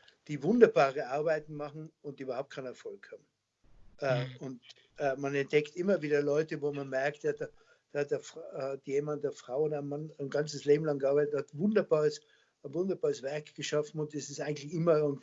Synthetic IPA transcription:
d̥iːvʊndɐbaːʁəʔaɐbaɪtn̩mɑχn̩ʊnt̚diyːbɐhaʊp̚t̚kʰaɪnɛɐfɔlkhaːbm̩ | ʔɛʊnt | ʔɛmanɛnt̚d̥ɛktɪmɐviːdɐlɔʏtəvoːmanmɛɐktjadaː | d̥aːhatdeːɐftjeːmant̚d̥eːɐfʁ̥aʊʊnaɪnmanaɪnɡant͡səsleːbm̩laŋɡəʔaɐbaɪtətːhatvʊndɐbaːʁəs | nvʊndɐbaːʁəsv̥ɛɐkɡ̥əʃafn̩ʊntɛsɪstaɪɡŋ̩tlɪçɪmɐn

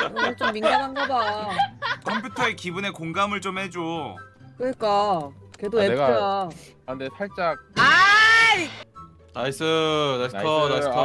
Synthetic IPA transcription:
kɯɡʌɭt͡ɕ͈omːinɡanɦanɡʌda | kʰʌmpʰjutʰʌe̞kibune̞koŋɡamɯɭt͡ɕ͈omhe̞d͡ʑo | kɯɲik͈ake̞doeɯɾa | andetʰaɭt͡ɕ͈ak̚aj | naisɯnajskʰʌask

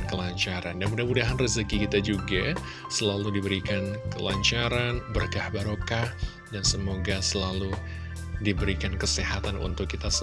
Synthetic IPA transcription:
kəlaɲt͡ʃaɾandanmudahmudaɦanrizikikit̪ad͡ʒuɡa | səlaludibəɾikankəla̰ɲt͡ʃaɾanbərkahbaɾokah | dansəmoɡasəlalu | dibəɾikankəsihat̪anṵnt̪ʊkːit̪as

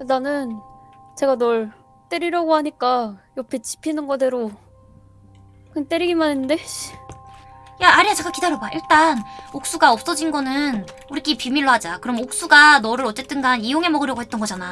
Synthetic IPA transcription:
kɯnanɯnt͡ɕe̞ɡanʌɭ | t͈eɾiɾjaɡoɦaɲik͈ajʌpʰet͡ɕi̥pʰinɯnɡʌdeɾo | kɯnt͈eɾiɡimanenndei | jaːɾiat͡ɕe̞ɡakidaɾjʌbaʔiɭt͈anok̚s͈uɡaʌp̚s͈ʌd͡ʑinɡʌnɯnuɾik͈ipimiɭːoɦad͡ʑakɯɾʌmok̚s͈uɡanʌɾɯɾʌt͡ɕ͈e̞t͈ɯnɡanijoŋe̞mʌɡɯɾjɡoɦet͈ʌnɡʌd͡ʑana

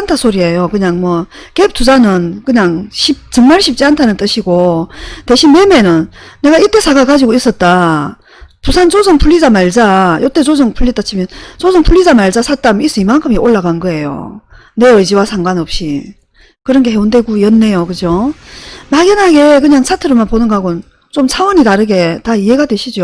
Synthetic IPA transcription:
antʰasʰoɾie̞jokɯɲaŋmwʌkep̚t͈ʰud͡ʑanɯnkɯɲaŋɕʰip̚t͡ɕɯŋmaɭɕʰip̚t͡ɕ͈iantʰanɯnt͈ɯɕʰiɡote̞ɕʰinme̞me̞nɯnːe̞ɡaiɭt͈e̞sʰaɡakad͡ʑiɡois͈ʌt̚t͈a | pusʰant͡ɕosɯŋpʰuʎːid͡ʑamaɭd͡ʑajot͈e̞t͡ɕosɯŋpʰuɭːit͈at͡ɕʰimjʌnt͡ɕosʰʌŋpʰuʎːid͡ʑamaɭd͡ʑasʰat͈amis͈ɯimankʰɯmiʔoɭːaɡaɯnɡʌe̞jo̰ | ne̞ɯd͡ʑiwasʰaŋɡwanʌp̚ɕ͈i | kɯɾʌnɡe̞he̞ondwe̞ɡujʌnːe̞jokɯd͡ʑjo | maɡjʌnɦaɡe̞kɯɲaŋsʰatʰɯɾɯmanponɯnɡɦaɡonn | t͡ɕomsʰawʌɲitaɾɯɡe̞taiɦe̞ɡadwe̞ɕʰid͡ʑo

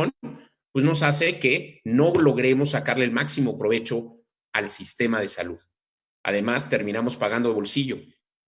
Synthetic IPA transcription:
o | pwezno̞s̬as̬e̞ke̞no̞lo̞ɣɾe̞mo̞sːakaɾle̞ːlmaksimo̞pɾo̞β̞e̞t͡ʃo̞ | alsist̪e̞mað̞e̞sa̰luð | a̰ð̞e̞mast̪e̞ɾmĩnamo̞spaɣand̪oβo̞lsiʝo̞

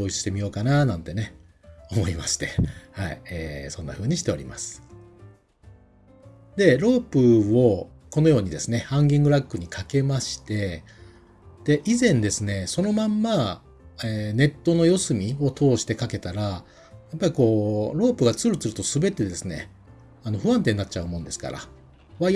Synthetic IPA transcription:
oːit͡sɨ̥ɕi̥t̪e̞mʲijo̞ːkananãnt̪e̞ne̞o̞mo̞ima̰ɕi̥t̪e̞haḭeːsõ̞nːa̰ɸɯ̟ːɲ̟iɕ̬i̥t̪e̞o̞ɾʲḭma̰sɨ̥ | d̪e̞ɾo̞ːpɯ̟o̞ko̞no̞jo̞ːɲ̟id̪e̞sɨne̞hãŋɡʲĩŋɡɯ̟ɾakːɯ̟ɲ̟ikʰake̞maɕi̥t̪e̞ | d̪̥e̞ʔizẽ̞nd̪e̞sɨne̞so̞no̞mãmːa | eːne̞t̪ːo̞no̞jo̞sɨmʲio̞t̪ʰo̞ːɕi̥t̪e̞kake̞t̪aɾa | japːaɾʲiko̞ːɾo̞ːpɯ̟ɡat͡sɨɾɯ̟t͡sɨɾɯ̟t̪o̞sɨbe̞t̪e̞d̪e̞sɨne̞̰ | ano̞ɸɯ̟βãnt̪e̞ɲːat͡ɕ̚t͡ɕaɯ̟mõ̞nd̪e̞sɨ̥ka̰ɾa̰ | βa

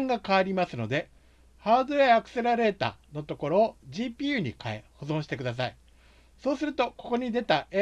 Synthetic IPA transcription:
ŋɡakaaɾʲimasɨno̞d̪e̞ | haːd̪o̞eakɯ̟̥se̞ɾaɾe̞ːt̪a̰ːno̞t̪o̞ko̞ɾo̞ːʑiːpʲiːjɯ̟ːɲ̟ikaeho̞zõ̞ɕ̬i̥t̪e̞kɯ̟d̪as̬ai | so̞ːsɨɾɯ̟t̪o̞ko̞̥ko̞ɲ̟id̪e̞t̪ae

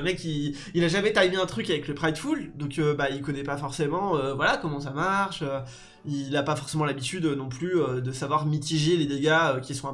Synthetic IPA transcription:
mɛkʲi | ilaʒamɛt̪ajmeɛ̃t̪χykavɛkləpχajd̪fuld̪ɔ̃købailkɔnɛpafɔʁsemɑ̃øvwalakɔmɑ̃samaʁʃø | ilapafɔʁsemɑ̃labit̪yd̪ønɔ̃plyød̪əsavwaʁmit̪iʒeled̪eɡaøkʲisɔ̃

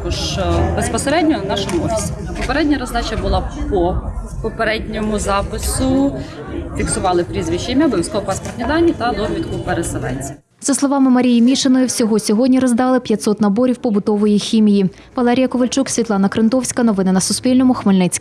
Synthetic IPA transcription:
kɔʒbespɔseɾɛdʲnʲɔnɑʃɔmʊɔfʲi̥sʲi̥pɔpeɾɛdʲnʲɐɾɔzd̪ɑt͡ʃɐbʊlˠɑpɔpɔpeɾɛdʲnʲɔmʊzɑpɪsʊ | fʲiksʊʋɑlˠɪpɾʲizʋʲiʃt͡ʃɪmʲɐblˠɪwsʲkɔɦɔpɑspɔrt̪ʲnʲid̪ɑnʲːit̪ɐlˠɔmʲit̪kʊpeɾeselˠɛ̰nʲt͡sʲɐ̥ | z̥ɐslˠɔʋɑmɪmɐɾʲijimʲiʃenɔjʊwsʲɔɦɔsʲɔɦɔdʲnʲiɾɔzd̪ɑlˠɪpʲjɐt̪ʲsɔt̪nɐbɔɾʲiwpɔbʊd̪ɔʋɔjixʲimʲiji | ʋɐlˠɛɾʲijɐkɔʋelʲt͡ʃuksʲʋʲit̪lˠɑnɐkɾɪnt̪ɔwsʲkɐnɔʋɪnɪnɐsʊspʲilʲnɔmʊxmelʲnɪt͡sʲk

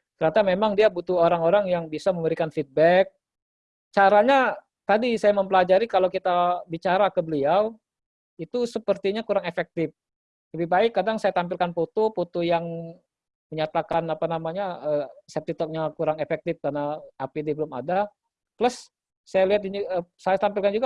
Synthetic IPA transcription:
kənat̪amemaŋdiabut̪uoɾaŋoɾaŋjaŋbisaməməɾikanfid̪̚bɛk̚ | t͡ʃaɾaɲa | t̪adisajaməmpəlad͡ʒaɾikalokit̪abit͡ʃaɾakəbəliaw | it̪usəpərt̪iɲakuɾaŋefɛk̚t̪ɪf | ləbibaɪkːadaŋsajat̪ampɪlkanpot̪opot̪ojaŋ | məɲat̪akanapanamaɲaəsɛp̚t̪it̪ɔk̚ɲakuɾaŋefɛk̚t̪ɪfkarnaːpidibəlʊma̰da | pləsː | ajaliat̪̚inəsajat̪ampɪlkand͡ʒuɡa

